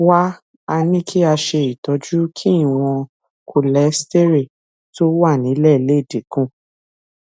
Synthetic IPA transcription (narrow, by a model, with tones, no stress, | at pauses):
wa˦ | a˧nĩ˦kʰi˦a˧ʃe˧i˨tɔ˨˦d͡ʒu˦kʰi˦i˦˨w̃ɔ̃˧ | kʰo˧lɛ˨˦ste˦ɾe˦˨ | to˦wa˦˨nĩ˨˦lɛ˦˨i˨le˨˦i˦˨de˨kũ˦˨